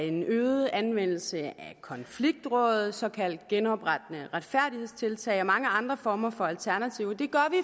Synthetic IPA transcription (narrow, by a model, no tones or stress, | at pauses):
e̝nøːð̩ˠænʋen̰l̩səækʰɒ̽nfliɡ̥̚d̥ʁɔ̽ːð̩ˠsɒ̽kʰæl̰d̥̚ɡ̥enɒ̽b̥ʁad̥ənəʁäd̥fæɐ̰dɾihe̝ð̞̰ˠst͡sʰe̝lt͡sʰɛ̰ɪɒ̽mɑ̈ŋəɑ̈nd̥ʁɐfɒːmɐfɒ̽ælt͡sʰæɐnæt͡sʰiʊd̥e̝ɡ̥ɶɐʋi